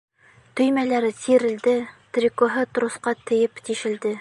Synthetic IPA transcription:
t̪ɵ̆jmælæɾɘsiɾɘ̆ld̪ɘt̪ɾʲikoɦɤt̪̆ɾŏsqɑt̪ɘ̆jɘpt̪iʃɘ̆ld̪ɘ

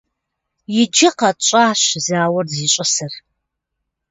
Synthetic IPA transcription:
jɪd͡ʒɪqɐt͡ʃʼaːɕzaːwɐrziːɕʼɐsɐr

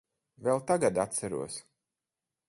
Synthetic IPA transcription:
vɛlˠt̪aɡad̪at̪t̪sæɾṵɔs

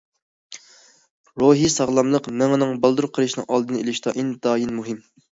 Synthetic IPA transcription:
ɾoɦisɑʁlˠɑmlˠəqmɛŋnɨŋbɑlˠd̪uɾqʰəɾɨʃnɨ̰ŋʔɑlˠd̪ɨnɨelɪʃt̪ɑʔind̪ɑːjinmuɦɪm

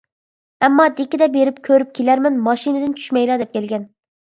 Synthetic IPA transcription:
ɛmːɑd̪ekʲɪd̪ɛbeɾɪp̚kʲʰøɾyp̚kʲʰelæɾmɛnmɑʃinɨd̪ɪnt͡ʃʰy̥ʃmɛjlˠɑɾd̪ɛp̚kʲʰɛlɡʲɛn

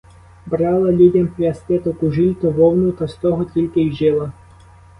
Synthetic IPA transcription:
bɾɑlˠɐlʲudʲɐmpɾʲɐst̪ɪt̪ɔkʊʒilʲt̪ʊʋɔwnʊt̪ɐst̪ɔɦɔtʲilʲkɪjʒɪlˠɐ

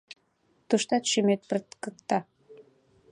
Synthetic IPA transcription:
t̪uʃt̪ɑt̪ʃymet̪̚pərt̪kəkt̪ɑ

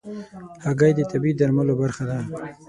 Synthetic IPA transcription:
haɡajd̪ət̪abid̪aɾmalobaɾxad̪a

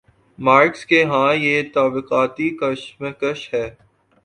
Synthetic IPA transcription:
maːɾkskeɦãːjet̪aːbɪqaːt̪ikɐʃmẽkɐʃhɛː

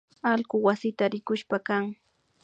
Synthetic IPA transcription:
alɢʊwasɪt̪aɾɪkʊʃpakaŋ

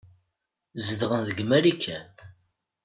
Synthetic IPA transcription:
zəd̪ʁənðəɡmæɾikʰːæt̪

